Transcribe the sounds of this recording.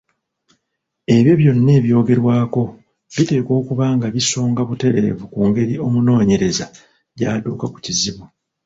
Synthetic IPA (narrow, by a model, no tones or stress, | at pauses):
e̞βjo̞βjo̞nːe̞ːβjo̞ːɡe̞ɾwaːko̞ | βite̞ːko̞ːkuβaːŋɡaβiso̞ːŋɡaβute̞ɾe̞̰vukuːŋɡe̞ɾio̞muno̞ːɲe̞ɾe̞za | ɟaduːkaku̥ciziβu